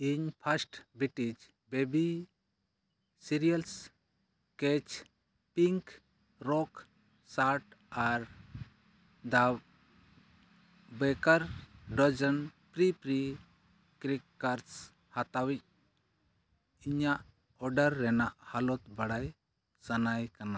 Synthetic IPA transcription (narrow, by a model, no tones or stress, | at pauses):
iɲpʰasʈbiʈid͡ʒ | bebi | siɾijals | kɛt͡ʃ | piŋk | ɾɔk | saɾʈaɾ | d̪ab | bɛkaɾɖɔd͡ʒənpɾipɾi | kɾikːaɾs | hat̪awic̚ | iɲaʔ | ɔɖaɾːɛnaʔhalɔt̪baɽaj | sanajkana